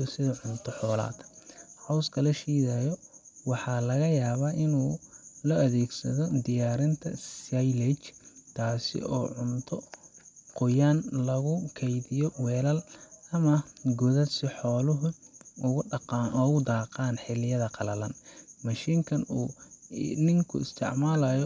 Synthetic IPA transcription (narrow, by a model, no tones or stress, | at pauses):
ɔsɪðɐʕʊnt̪ʰɔħɔːla̰ːd̪hɔwskʰɐlɐʃiːðɐjɔwɑħɑːlɐɣɐjaːβaːʔɪnuːlɔɐðɛːɡsɐðɔd̪ɪjaːɾɪnt̪ʰɐsajlɛt͡ʃt̪ʰaːsɪ̰ʔɔ̰ːʕʊnt̪ʰɔ | qʊjaːnlɐɣʊkʰɛjðɪjɔwɛːlɐlɐmɐɡʊðɐsɪħɔːlʊɦʊʊɣʊqɑnʔɔːɣʊd̪aːqɑːnħɪlɪjɐðɐqɑlɐlɐnmɐʃiːŋkʰɐnuː | nɪŋkʰʊ̰ɪst̪ʰɪ̰ʕmaːlɐjɔ